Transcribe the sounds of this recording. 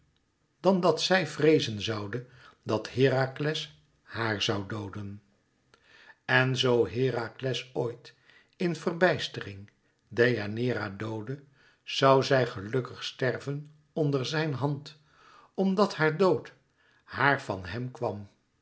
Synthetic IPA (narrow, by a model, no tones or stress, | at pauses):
d̥ɑndɑtsɛjvrejzənzɑwdə | dɑtɦɪːraklɛs | haːɹzɑwdowdən | ɛnzowɦɪːraklɛsoːjt | ɪnvərbɛjstərɪŋ | dejanɪːɾadowdə | z̥ɑwzɛjχəlɵkəχstɛrvən | ɔndəɹzɛjnɦɑnt | ɔmdɑthaːɹdowt | haːɹv̥ɑ̰nɦɛmkʋɑm